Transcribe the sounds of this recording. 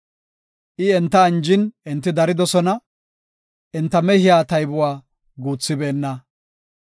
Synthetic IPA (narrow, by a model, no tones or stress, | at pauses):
ʔɪɛnt̪ːɐːnd͡ʒɪnɛnt̪ːɪd̪ɐɾɪd̪ɔsɔnɐ | ʔɛnt̪ːɐmɛhɪjaːt̪ɐjbʊwaː | ɡuːt͡sːɪbeːnːɐ